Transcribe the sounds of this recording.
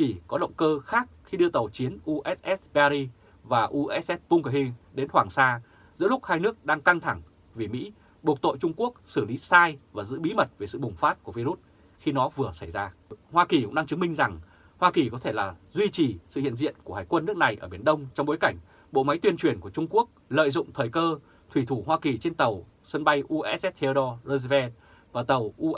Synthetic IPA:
i˨˩kɔ˨˦ɗə̰˧˨wŋ͡mkəː˧xaː˦˥k̚xi˧ɗɨ˧ət̪ə˨˩wt͡ɕi˨˦ənʔu˧ʔɛ˦˥sʔɛ˦˥sɓa˧ɾi˧ | vaː˨˩ʔu˧ʔɛ˦˥s̚ʔɛ˦˥t̚pu˧ŋ͡mkə˨˧˩ɦi˧ɗe˨˦nhwaː˨˩ŋsaː˧ | zɨ̰˧˥lʊ˦˥k̚haː˧jnɨ˦˥ək̚ɗaː˧ŋka˧ŋt̪ʰa˧˩ŋ | vi˨˩mḭ˧˥ | ɓu˨˩k̚t̪o̰˧˨jt͡ɕʊ˧ŋ͡mku˦˥ək̚sɨ˧˩li˨˦saː˧jvaː˨˩zɨ̰˧˥ɓi˨˦mə˨˩t̚ve˨˩sɨ̰˧˨ɓʊ˨˩ŋ͡mfaː˦˥t̚ku˧˩əvi˧ɾu˦˥t̚ | xi˧nɔ˨˦vɨ˨˩əsa˧˩jzaː˧hwaː˧ki˨˩kʊ̰˧˥ŋ͡mɗaː˧ŋt͡ɕɨ˨˦mï˧ŋ̟za˨˩ŋ | hwaː˧ki˨˩kɔ˨˦t̪ʰe˧˩laː˨˩zwi˧t͡ɕi˨˩sɨ̰˧˨hḭ˧˨ənzḭ˧˨ənku˧˩haː˨˩jkwə˧nːɨ˦˥ək̚na˨˩jʔəː˧˩ɓi˧˩ənɗə˧wŋ͡mt͡ɕɔ˧wŋ͡mɓo˨˦jka˧˩jŋ̟ | ɓo̰˧˨ma˨˦jt̪wi˧ənt͡ɕwi˨˩ənku˧˩ət͡ɕʊ˧ŋ͡mku˦˥ək̚lə̰ː˧˨jzʊ̰˧˨ŋ͡mt̪ʰəː˨˩jkəː˧ | t̪ʰwi˧˩t̪ʰu˧˩ɦwaː˧ki˨˩t͡ɕe˧nt̪ə˨˩w | sə˧nɓa˧jʔu˧ʔɛ˦˥ɛ˦˥t̚t̪ʰe˧ɗɔ˧lo˧zvɛ˧ | vaː˨˩t̪ə˨˩wʔu˧

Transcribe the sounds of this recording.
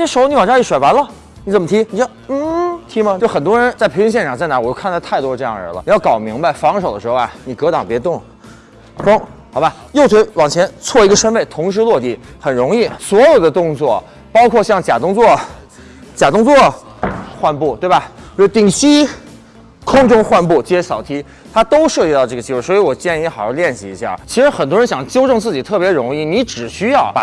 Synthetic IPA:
ʂ̩˧˥ʊ˧ni˧˥˩ʈ͡ʂɑ˥i˥˩ʂwe˨˩ɪwa˧˥nlə˧ | ni˧˥t͡sə˨˩mə˧t̪ʰi˧˥ni˨˩ʈ͡ʂɛ˥d̪ə˧n̩˥˩t̪ʰi˧˥mə˧jʊxə˨˩nt̪wɔ˥ɻə˧˥nt͡sa˥˩ɪpʰe˧˥t͡ɕŋɕ̬jɛ˥˩nʈ͡ʂʰɑ˨˩ŋt͡sa˥˩ɪna˧˥wɔ˨˩t͡ɕo˥˧˥n˥˧t̪ʰa˥˩ɪt̪wɔ˥ʈ͡ʂɤ˥˧jɑ̰˥˩ŋə̰˞˧˥lə̰˧ni˧˩jʊkɑ˨˩ʊmi˧˥ŋba˥˧ɪfɑ˧˥ŋʂo˨˩ʊd̪ə˦ʂɻxa̰˩ni˨˩kɤ˧˥t̪ɑ˨˩ŋpjɛ˧˥t̪ʊ˥˩ŋ | fʊ˥ŋxɑ˧˥ʊba˧ | jo˥˩ʊt̪ʰwe˧˥ɪwɑ˨˩ŋt͡ɕʰjɛ˧˥nt͡sʰwɔ˥˩i˧˥ɡə˧ʂə˥npe˥˩ɪt̪ʰʊ˧˥ŋʂ̬ɻ̩˧˥lwɔ˥˧t͡ɕ̪i˧˩xə˨˩nɻʊ˧˥ŋi˥˩swɔ˧˥jo˨˩ʊd̪ə˦t̪ʊ˥˧ŋt͡swɔ˥˩ | pɑ˥ʊkʰwɔ˥˧ɕjɑ˥˩ŋt͡ɕja˨˩t̪ʊ˥ŋt͡swɔ˥˩ | t͡ɕja˨˩t̪ʊ˥˧ŋt͡swɔ˥˩ | xwa˥˧npu˥˩t̪we˥˩ɪbɐ˩˥˩t̪i˨˩ŋɕi˥ | kʰʊ˥ŋʈ͡ʂʊ˥ŋxwa˥˧npu˥˩t͡ɕi˧˥ɕɑ˨˩ʊt̪ʰi˧˥ | t̪ʰa˥t̪o˥ʊʂɤ˥˧t͡ɕi˥˧t̪ɑ˥˧ʊʈ͡ʂɤ˥˩ɡə˩t͡ɕi˥wswɔ˧˥i˧˥wɔ˨˩t͡ɕjɛ˥˧ni˧˥xɑ˨˩ʊjɑ˥˧ljɛ˥˧nɕi˨˩ḭ˧˥ɕja̰˥˩t͡ɕʰi˧˥ʂɻ̩˧˥xə˨˩nt̪̬wɻə˧˥nɕjɑ˨˩ŋt͡ɕjo˥ʊʈ͡ʂɤ˥˧ŋt͡sɹ̩˥˩t͡ɕi˨˩t̪ʰɤ˥˩pjɛ˧˥ɻʊ˧˥ŋi˥˩ni˧˥ʈ͡ʂɻ̩˨˩ɕy˥jɑ˥˩ʊpa˨˩

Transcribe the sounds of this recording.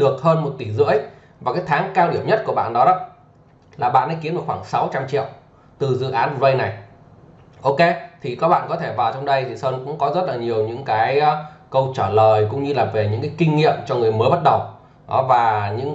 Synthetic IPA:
ɗɨ˨˩ək̚həː˧nmo˨˩t̚t̪i˧˩zɨ̰˧˥əj | vaː˨˩kaː˨˦jt̪ʰaː˨˦ŋkaː˧wɗi˧˩əmɲə˦˥t̚ku˧˩əɓa̰ː˧˨nɗɔ˨˦ɗɔ˨˦ | laː˨˩ɓa̰ː˧˨nːɗa̰˧˥ki˨˦nɗɨ˨˩əkxwaː˧˩ŋsa˨˦wt͡ɕa˧mt͡ɕḭ˧˨əw | t̪ɨ˨˩zɨ̰˧˨ʔaː˨˦n˨˩wə˧jna˨˩j | ʔo˧wke˧t̪ʰi˨˩kaː˨˦˥ɓa̰ː˧˨nkɔ˨˦t̪ʰe˧˩vaː˨˩wt͡ɕɔ˧wŋ͡mɗə˧jt̪ʰi˨˩səː˧nkʊ̰˧˥ŋ͡mkɔ˨˦zə˦˥t̚laː˨˩ɲi˨˩əwɲɨ̰˧˥ŋkaː˨˦jkə˧wt͡ɕaː˧˩ləː˨˩jkʊ̰˧˥ŋ͡mɲɨ˧laː˨˩ve˨˩ɲɨ̰˧˥ŋkaː˨˦jkï˧ŋ̟ŋḭ˧˨əmt͡ɕɔ˧ŋɨ˨˩əjməː˨˦jɓə˦˥t̚ɗə˨˩w | ɗɔ˨˦vaː˨˩ɲɨ̰˧˥ŋ

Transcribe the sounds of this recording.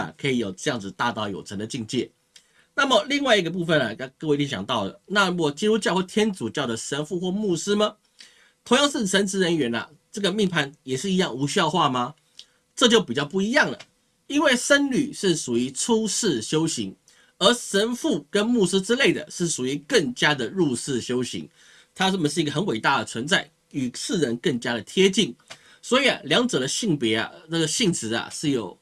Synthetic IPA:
kʰɤ˧˥i˧˩jo˨˩ʊʈ͡ʂɤ˥˧jɑ˥˩ŋd͡zɹ̩˨˩t̪a˥˧t̪ɑ˥˩ʊjo˨˩ʊʈ͡ʂʰə˧˥nd̪ə˨t͡ɕi˥˧ŋt͡ɕjɛ̰˥˩ | na˥˩mə˨li˥˧ŋwa˥˩ɪi˧˥ɡə˨˧p̬u˥˧fə˥˨na̰˨˩˥kɤ˥˧wt̪ʰi˥˩ɕjɑ̰˨˩ŋt̪ɑ˥˩ʊlə̰˩na˥˨wɔ˨˩t͡ɕi˥ɻu˥t͡ɕjɑ˥˧we˥˩ɪt̪ʰjɛ˥nt͡su˨˩t͡ɕjɑ˥˩ʊʈ͡ʂə˨˩ʂə˧˥nfu˥˧xwɔ˥˧mu˥˩sɹ̩˥mɐ˨ | t̪ʰʊ˧ŋjɑ˥˧ŋʂɻ̩˥˩ʂə˧˦˥nt͡s̩ʰ˧˥ɻə˧˦nɥɛ˧˥nɐ̰˨ | ʈ͡ʂɤ˥˩ɡə˩mi˥˧ŋpʰa˧˥˩njɛ˨˩ʂɻ̩˥˩i˧˥jɑ˥˩ŋu˧˥ɕy˧jɑ˥˧ʊxwa˥˩mɐ˨ | ʈ͡ʂɤ˥˧t͡ɕjo˥˩ʊpi˨˩t͡ɕjɑ˥˧ʊp̬u˥˩i˧˦jɑ˥˩ŋlə̰˩ | i˥nwe˥˩ɪʂə˦˥nly˨˩ʂɻ̩˥˩ʂu˨˩i˧˥ʈ͡ʂʰu˥ʂɻ̩˥˩ɕjo˥ʊɕḭ˧˥ŋ | ə˞˧˥ʂə˧˥nfu˥˩kə˦˥nmu˥˧s̩˥ʈ͡ʂɻ̩˥le˥˩ɪd̪ə̰˩ʂɻ̩˥˩ʂu˨˩i˧˥kə˥˩ŋt͡ɕja˥d̪ə˨ɻu˥˧ʂɹ̩˥˩ɕjo˥ʊɕḭ˧˥ŋ | t̪ʰa˥ə˥˩mə˨˩ʂɻ̩˥˩i˧˥ɡə˩ə˧˦nwe˨˩ɪt̪a˥˩d̪ə˩t͡sʰwə˧˥nt͡sa˥˩ɪ | y˨˩sɹ̩˥˩ɻə˧˥nkə˥˩ŋt͡ɕja˥ɾə˨t̪ʰjɛ˥t͡ɕi˥˩ŋ | swɔ˧˥i˨˩a̰˨ljɑ˧˥ŋʈ͡ʂɤ˨˩d̪ə˦ɕi˥˩ŋpjɛ˧˥a̰˨na˥˩ɡə˩ɕi˥˩ŋt͡s̩ʰ˧˥ɐ̰˨ʂɻ̩˥˩jo˨˩˦ʊ

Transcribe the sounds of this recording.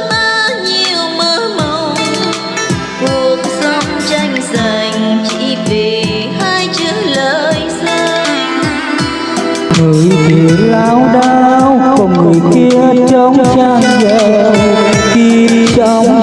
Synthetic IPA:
ha˧˦ɲi˧əwməː˧˦mə˧˩w | ku˨˩ək̚sə˧˦wŋ͡mt͡ɕa˧jŋ̟za˧˩jŋ̟t͡ɕḭ˧˥ve˨˩ | haː˧jt͡ɕɨ˧˦ələː˧˨jsa˧ | ŋɨ˨˩əjvi˨˩əlaː˨˦wɗaː˧wkɔ˨˩ŋɨ˨˩əjki˧˦ət͡ɕə˧˦wŋ͡mt͡ɕaː˧˩ŋzɛ˧˩˨ | xi˧ | t͡ɕə˧˦wŋ͡m

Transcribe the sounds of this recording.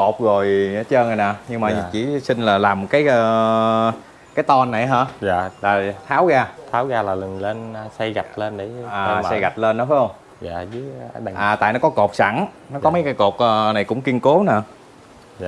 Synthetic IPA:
ko˨˩t̚ɣo˨˩jt͡ɕəː˧ŋa˨˩naː˨˩ɲɨ˧ŋmaː˨˩˨t͡ɕḭ˧˩sï˧ŋ̟laː˨˩laː˨˩mːo˨˩t̚kaː˨˦jəː˧ | kaː˨˦jt̪ɔ˧nːa˨˩jɦaː˧˩aː˧˨laː˨˩t̪ʰaː˨˦wɣaː˧t̪ʰaː˨˦wɣaː˧laː˨˩lɨ˨˩ŋle˧nː˧sa˧jɣa˨˩t̚le˧nɗə˨˦jaː˨˩˧sa˧jɣa˨˩t̚le˧nːɔ˨˦faː˨˦jhə˧wŋ͡m | za̰ː˧˨zɨ˨˦˨ʔaː˨˩t̪a̰ː˧˨jnɔ˨˦kɔ˨˦ko˨˩t̚sa̰˧˩ŋ | nɔ˨˦kɔ˨˦mə˨˦jkaː˨˦jko˨˩t̚ʔəː˧˩na˨˩jkʊ̰˧˥ŋ͡mki˧ənko˨˦naː˨˧˦

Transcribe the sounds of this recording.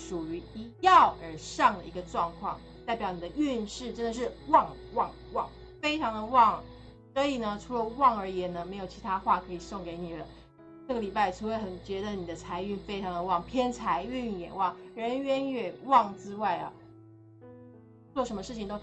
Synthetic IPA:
ʂu˨˩y˧˥i˧˥jɑ˥˩ʊʔə˞˨˩˥ʂɑ˥˩ŋd̪ə˩i˧˥ɡə˧ʈ͡ʂwɑ˥˧ŋkʰwɑ˥˩ŋ | t̪a˥˩ɪpjɑ˨˩ʊni˨˩d̪ə˦y˥˧nʂɻ̩˥˩ʈ͡ʂə˥nd̪ə˨˩ʂ̬ɻ̩˥˧wɑ˥˧ŋwɑ˥˩ŋ | wɑ̰˥˩ŋ | fe˥ɪʈ͡ʂʰɑ˧˥ŋd̪ə˧wɑ˥˩ŋ | sɔ˧˥i˨˩nə˦ʈ͡ʂʰu˧˥lə˧wɑ˥˩ŋə˞˧˥jɛ˧˥nnə˧me˧˥ɪjo˨˩ʊt͡ɕʰi˧˥t̪ʰa˥xwa˥˩kʰɤ˧˥i˨˩sɤ˥˩ŋke˧˥ɪni˨˩lə˦ | ʈ͡ʂɤ˥˩ɡə˩li˨˩pa˥˩ɪt͡sʰu˧˥we˧˥ɪxə˨˩nt͡ɕɥɛ˧˥d̪ə˧ni˨˩d̪ə˦t͡sʰa˧˥ɪy˥˩nfe˥ɪʈ͡ʂʰɑ˧˥ŋd̪ə˧wɑ˥˩ŋpʰjɛ˥nt͡sʰa˧˥ɪy˥˩njɛ̰˨˩wɑ˥˩ŋɻə˧˥nɥɛ˧˥nɥɛ˨˩wɑ˥˩ŋt͡sɹɻ̩˥wa˥˩ɪɐ̰˩ | t͡swɔ˥˩ʂə˧˥mə˧ʂɻ̩˥˩t͡ɕʰi˨ŋt̪o˥

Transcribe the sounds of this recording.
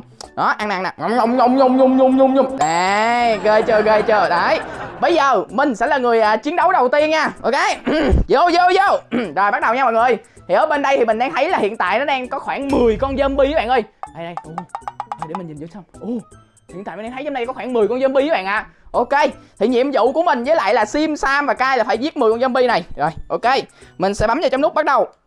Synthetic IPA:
ɗɔ˨˦ʔa˧ŋna̰ː˧˨na̰˨˩ŋ˨˩ə˧wŋ͡mɲo˧wŋ͡mɲʊ˧wŋ͡mɲʊ˧wŋ͡mɲʊ˧wŋ͡mɲʊ˧ŋ͡mɲʊ˧ŋ͡mɗe˨ɣə˧t͡ɕəː˧˩ɣə˧t͡ɕəː˧˩ɗa˨˩˨jɓə˧jzəː˨˩mï˨˩ŋ̟sɛ̰˧˥laː˨˩ŋɨ˨˩əjʔəː˨˩t͡ɕi˨˦ənɗə˨˦wɗə˨˩wt̪i˧ənɲaː˧ʔo˧ke˨˦˨zo˧˩zo˧wzo˧˩zo˨˩jɓa˦˥k̚ɗə˨˩wɲaː˧ɓa̰ː˧˨ŋəː˧˩j | t̪ʰi˨˩ʔəː˧˦ɓe˧nɗə˧jt̪ʰi˨˩mï˨˩ŋ̟ɗaː˧ŋt̪ʰə˨˦jlaː˨˩hḭ˧˨ənt̪a̰ː˧˨jnɔ˨˦˥ɗaː˧ŋkɔ˨˦xwaː˧˩nmɨ˨˩əjkɔ˧nzə˧mɓi˧˦ɓa̰˧˨ʔə˧jɗa˨˧˩jɗə˧jʔo˧˩əː˨˩jɗe˧˩mi˨˩ŋɲï˨˩nzɨ̰˧˦sa˧wŋ͡mʔo˨˧˩ | hḭ˨˧˨na̰ː˧˨˩t̪ʰzmna˧kɔ˨˦xwaː˧˩nmɨ˨˩əjkɔ˧nzə˧mɓi˧˦ɓa̰ː˧˨nʔaː˨˧˨ʔo˧ke˧t̪ʰi˨˩ɲḭ˧˨əmzṵ˧˨ku˧˩əmï˨˩ŋ̟zə˨˦jla̰ː˧˨jlaː˨˩si˧msaː˧vaː˨˩kaː˦˧a˧jlaː˨˩faː˧˩jzi˦˥t̚mɨ˨˩kɔ˧nzə˧mɓi˧na˨˩jzo˨˩jʔo˧ke˧mï˨˩ŋ̟sɛ̰˧˥ɓa˨˦mzaː˧˩t͡ɕɔ˧ŋ͡mnʊ˦˥k͡p̚ɓa˦˥ɗə˨˩w

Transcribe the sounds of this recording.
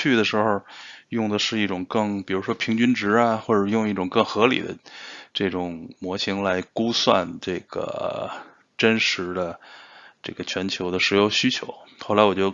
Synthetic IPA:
y˥˩d̪ə˩ʂɻ̩˧˥xo˧jʊ˥˩ŋd̪ə˩ʂɻ̩˥˧i˥˩ʈ͡ʂʊ˨˩ŋkɤ˥˧ŋpi˨˩ɻu˧˥ʂwɔ˥pʰi˧˥ŋt͡ɕy˥nʈ͡ʂɻ̩˧˥a˧xwɔ˥˩ʈ͡ʂə˨˩jʊ˥˧ŋi˥˩ʈ͡ʂʊ˨˩ŋkɤ˥˩ŋxɤ˧˥lḭ˨˩d̪ə̰˦ʈ͡ʂɤ˥˩ʈ͡ʂʊ˨˩ŋmwɔ˧˥ɕi˧˥ŋla˧˥ɪku˥swa̰˥˧nʈ͡ʂɤ˥˩ɡ̥ə̰˩ | ʈ͡ʂə˥nʂɻ̩˧˥d̪ə˧ʈ͡ʂɤ˥˩ɡə˩t͡ɕʰɥɛ˧˥nt͡ɕʰjo˧˥ʊd̪ə˧ʂɻ̩˧˥jo˧˥ʊɕy˥t͡ɕʰjo̰˧˥ʊxo˥˩la˧˥ɪwɔ˨˩t͡ɕjo˥˩ʊ

